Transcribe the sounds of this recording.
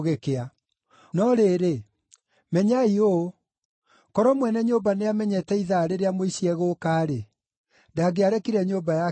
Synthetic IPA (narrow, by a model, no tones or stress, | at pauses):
ɣekea | nɔɾeɾe | mɛɲaio | kɔɾɔmwɛnɛɲobaneamɛɲɛtɛiðaɾeɾeamoiɕiɛɣoːkaːɾe | daɡeaɾɛkiɾɛɲoːbaja